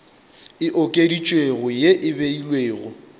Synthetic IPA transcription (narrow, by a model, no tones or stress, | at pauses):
ɪʔokʼedit͡ʃʼweɣʊjeʔɪbeilweːɣʊ̰